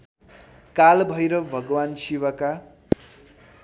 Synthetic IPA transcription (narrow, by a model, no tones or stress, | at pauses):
kalbʱʌjɾʌbʱʌɡwansiwaka